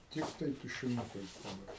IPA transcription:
ˈtʲɪktɐɪ tʊʃʲɪˈnʊkɐɪs dɐˈbɐr

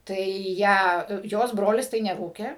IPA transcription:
ˈtɐɪ ˈjæː ˈjoːs ˈbroːlʲɪs tɐɪ nʲɛˈruːkʲeː

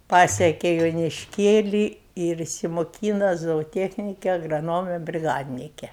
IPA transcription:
ˈpɑːsʲiɛkʲeː joːnʲɪʃʲˈkʲeːlʲiː ɪr ɪʃʲsʲɪmoːˈkʲiːnɐ zoːoːˈtʲiɛxʲnʲɪkʲɛ ɐɡrɐˈnoːmʲɛ bʲrʲɪˈɡɑːdʲnʲɪkʲɛ

